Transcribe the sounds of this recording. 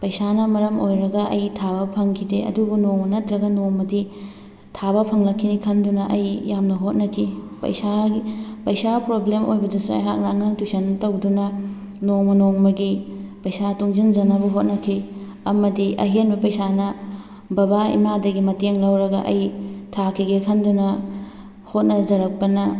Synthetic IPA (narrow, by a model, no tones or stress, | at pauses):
pɐjsanɐmɐɾɐmʔojɾɐɡɐʔɐ̰jtʰaβɐpʰɐŋkʰideɐ̰dubunoŋmɐnɐtɾɐɡɐnomɐdi | tʰabɐpʰɐŋlɐkʰːinikʰɐndunɐʔɐjjːamnɐɦot̚nɐkʰi | pɐ̰jsaipɐjsapɾoblemo̰jbɐdɐsuɐ̰jɦak̚nɐːŋaŋtusɐntɐwdunɐ | noŋmɐnoŋmɐɡipɐjsatuŋzind͡ʒɐnɐbɐɦot̚nɐkʰi | ɐmɐdiʔɐ̰ɦenbɐpɐjsanɐ | bɐbaḭmadɐɡimɐteŋlɐwɾɐɡɐʔɐjtʰakʰiɡekʰɐndunɐ | hot̚nɐzɐɾɐk̚pɐnɐ